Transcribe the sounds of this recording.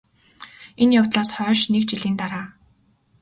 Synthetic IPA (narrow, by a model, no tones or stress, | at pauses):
enjawt̪ɮaːsχœːʃnekt͡ɕiɮiːnt̪aɾaː